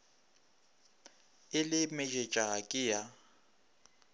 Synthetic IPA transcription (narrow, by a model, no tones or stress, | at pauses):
ɪlɪmɛd͡ʒʼet͡ʃʼakʼɪja